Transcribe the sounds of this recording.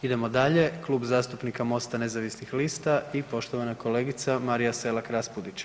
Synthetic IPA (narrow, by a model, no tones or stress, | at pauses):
id̪e̞mo̞d̪aʎe̞klˠuːbzaːst̪upnikamo̞st̪ane̞zaʋisnixliːst̪aipo̞ʃt̪o̞ʋanako̞leːɡit̪samaɾijase̞lakɾaspud̪it͡ʃ